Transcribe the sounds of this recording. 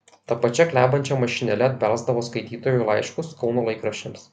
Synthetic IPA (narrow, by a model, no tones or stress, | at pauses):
t̪ɐpɐt͡ʃʲɛklʲæːbɐnʲt͡ʃʲɛmɐʃʲɪnʲɛlʲɛɐd̪ʲbʲæɾzd̪ɐʋoːskɐɪt̪ʲiːt̪oːjuɪlˠɑɪʃkʊskɒʊnoːlˠɐɪkɾɐʃʲɪms